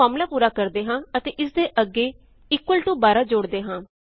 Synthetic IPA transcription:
aːmlaːpuːɾaːkəɾd̪eːɦãːət̪eːʔɪsd̪eːʔəɡeː | ɪkwəlʈũːbaːɾaːd͡ʒʊːɽd̪eːɦãː

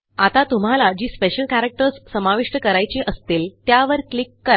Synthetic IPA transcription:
at̪at̪um̤alad͡ʑiːspeɕəlkæɾek̚ʈəɾssəmaʋiʂʈəkəɾajt͡ɕiʔəst̪iːlt̪jaʋəɾklikːəɾa

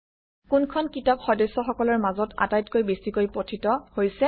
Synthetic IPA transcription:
kunkʰɔnkitɔpxɔdɔsːɔxɔkɔlɔɹmazɔta̰tajtkojbesikojpɹotʰitɔhojsɛ

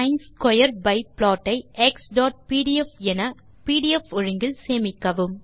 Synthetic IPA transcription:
ɐɪnskɔjɐɾbɐɪpɭɔːʈːɐɪʔɛksɖɔːʈ̚piːɽiɛfɛnɐ | piːɽiɛfʊɻɯŋɡɪlseːmɪkːɐʋɯm

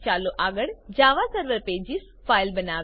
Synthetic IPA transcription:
t͡ʃaːloʔaːɡəɽd͡ʒaːʋasəɾʋəɾpeːd͡ʒis | fʰaːɪlbɐnaː

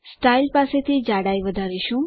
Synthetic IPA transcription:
sʈailpaset̪ʰid͡ʑaɽajʋəd̪ʱaɾiɕũ

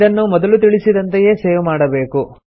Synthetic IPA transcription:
ɐnːumɔd̪ɐlut̪̬iɭisid̪ɐnt̪eje̞ːseːʋumaːɽɐbe̞ːku

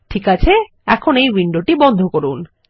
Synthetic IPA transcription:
ʈʰikat͡ɕʰe | ɛkʰonejwiɳɖoʈibɔnd̪ʱokoɾun

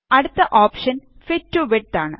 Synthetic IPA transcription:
ɐɽut̪ːɐʔoːpʂɐn | fitːuʋiʈːaːɳɨ

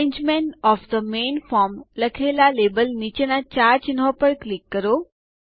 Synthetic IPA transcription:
ẽɲd͡ʒmẽɳʈɔfd̪əmenfɔɾmləkʰelalebəlnit͡ʃenat͡ɕaɾt͡ʃinɦopəɽklikːəɾo

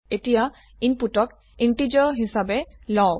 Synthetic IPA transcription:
etija | iɲpuʈɔk | iɳʈid͡ʒɔɦisabelɔw

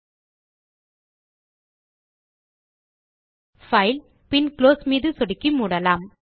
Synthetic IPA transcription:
fɐɪl | pɪnkloːsmiːðɯsɔɽɪkːimuːɽɐlaːm

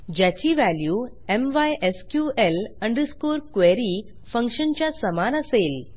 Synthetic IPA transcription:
d͡ʑat͡ɕiːʋæljuː | emʋajʔeskjuʔeləɳɖəskoɾkʋeɾiː | fə̃ŋkʂənt͡ɕjasəmanəsel

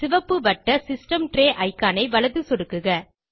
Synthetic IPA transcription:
sɪʋɐpːɯʋɐʈːɐsɪsʈɐmʈɾeːʔɐɪkːaːnɐɪʋɐlɐðɯsɔɽɯkːɯɣɐ

